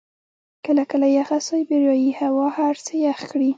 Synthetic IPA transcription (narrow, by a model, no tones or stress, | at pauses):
kəlakəlajaxasojbɪɾjɑjihawɑhaɾsəjaxkɽi